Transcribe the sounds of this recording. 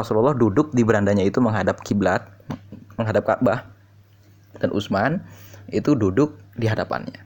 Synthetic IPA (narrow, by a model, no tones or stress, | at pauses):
ɔsululːɑhdudʊk̚dibəɾandaɲait̪uməŋɦadap̚kiblat̪̚məŋɦadap̚ka̰ʔbah | d̥anʔṵsmanit̪ududʊk̚diɦadapa̰nɲa̰